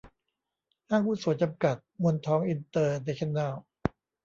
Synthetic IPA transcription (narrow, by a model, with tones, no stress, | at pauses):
haː˥˩ŋkʰuː˥˩su˩˦t͡ɕa˧mka˨˩t̪̚mo˧nt̪ʰɔː˦˥ŋʔi˧nt̪ɤː˧da˧˦kʰe˥˩nːaː˥˩w